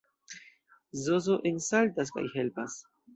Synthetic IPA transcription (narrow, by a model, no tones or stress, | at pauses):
zozoʔensalt̪as̬ka̰jhelpas